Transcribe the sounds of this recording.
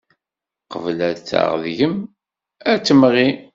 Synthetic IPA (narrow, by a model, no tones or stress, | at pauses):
qəvlæðt͡sːa̰ʁðʝəm | æt͡sːəmʁi